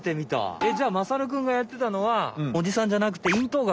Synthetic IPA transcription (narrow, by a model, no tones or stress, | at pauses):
t̪emʲit̪a̰ed͡ʑaːmasaɾɯ̟k̬ɯ̟̃ŋɡajat̪ːe̞t̪ano̞βao̞d͡ʑisãɲ̟d͡ʑanak̬ɯ̟̥t̪e̞ĩnt̪o̞ːɡa